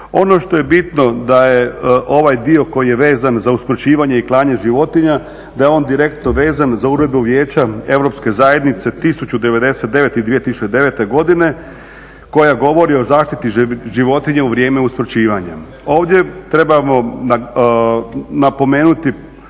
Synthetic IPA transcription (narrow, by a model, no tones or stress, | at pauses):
o̞no̞ʃt̪o̞je̞bit̪no̞d̪ajeʔo̞ʋajd̪io̞ko̞jijeʋe̞ːzanzauspɾot͡ɕiːʋaɲeiklˠaːɲeʒiʋo̞t̪iɲa | d̪ajeo̞ːnd̪iɾe̞k̚t̪noʋe̞ːzanzauɾe̞d̪̚buʋjeːt͡ɕae̞ʋɾo̞pske̞zaje̞d̪nit̪se̞t̪isut͡ɕud̪e̞ʋe̞d̪e̞set̪d̪eʋe̞t̪id̪ʋijet̪isut͡ʃed̪e̞ʋe̞t̪e̞ɡo̞d̪ine̞ | ko̞jaɡo̞ʋo̞ɾio̞zaːʃt̪it̪iʒiʋo̞t̪iɲeuʋɾʲjeːme̞uspɾot͡ɕiːʋaɲa | o̞ːʋd̪je̞t̪ɾe̞bamo̞na | napo̞me̞ːnut̪i